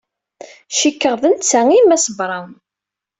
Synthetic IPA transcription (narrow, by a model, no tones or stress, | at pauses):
ʃikːəʁðənt͡sːæŋimæsəbɾˤɑn